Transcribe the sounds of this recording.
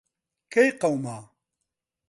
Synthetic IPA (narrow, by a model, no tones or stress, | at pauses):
kejqɐwmaː